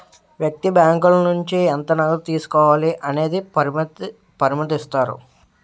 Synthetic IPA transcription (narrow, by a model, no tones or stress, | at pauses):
ʋjɐk̚t̪ibjaːŋkulɐnuɲt͡ʃiɛnt̪ɐnɐlut̪iːsu̥kɔːʋaːliʔɐne̞ːd̪i | pɐɾimɐt̪̬ist̪aːɾṵ